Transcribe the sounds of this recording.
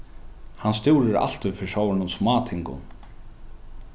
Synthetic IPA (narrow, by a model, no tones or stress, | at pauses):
hanst̪juwɾɪɾa̰l̥t̪ʏfɪsaːwɾɪnʊmsmaːt̪ʰɪŋkʊ̰n